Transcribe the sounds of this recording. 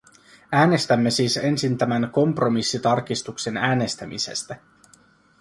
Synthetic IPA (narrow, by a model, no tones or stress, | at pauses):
æːne̞st̪æmːe̞siːse̞nsint̪æmænko̞mpro̞misːit̪ɑrkist̪ukse̞næːne̞st̪æmḭse̞̰st̪æ